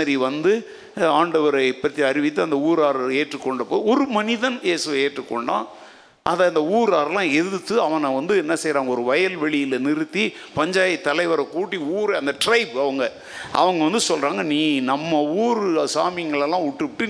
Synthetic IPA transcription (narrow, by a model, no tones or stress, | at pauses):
ɐɾiʋɐnd̪ɯ | aːɳɖɐʋɐɾɐɪpːɐt̪ːiɐɾɪʋɪt̪ːɯɐnd̪ɐuːɾaːɾeːʈrɯkːɔɳɖɐpːoːɔɾɯmɐnɪðɐnjeːsɯʋɐeːʈrɯkːɔ̰ɳɖã̰ː | ʔɐðɐɐnd̪ɐuːɾaːɾɐlãːɛðɯt̪ːɯɐʋɐnɐʋɐnd̪ɯɛnːɐsɛjɾaːŋɡɐɔɾɯʋɐjɐlʋɛɭɪjɪlɐnɪɾɯt̪ːi | pɐɲd͡ʒaːjɐt̪ːɐlɐɪʋɐɾɐkuːʈːiuːɾɐɐnd̪ɐʈɾɐɪbɐʋɐŋɡɐ | ʔɐ̰ʋɐŋɡɐʋɐnd̪ɯsɔlraːŋɡɐniːnɐmːɐuːɾsaːmɪjɐŋɡɐɭɐlːãːʊʈːɯʋɪʈːɯ